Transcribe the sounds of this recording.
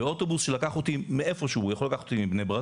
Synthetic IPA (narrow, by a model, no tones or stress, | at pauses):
eo̞t̪o̞busʃelakaχot̪imeefo̞ʃuujaχolakaχot̪imibnejbʁa